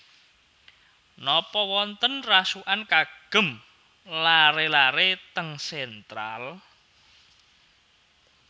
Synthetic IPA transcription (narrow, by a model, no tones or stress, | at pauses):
nɔpɔwɔnt̪ənrasuʔankaɡ̥ə̤m | laɾelaɾet̪əŋsɛnt̪ɾal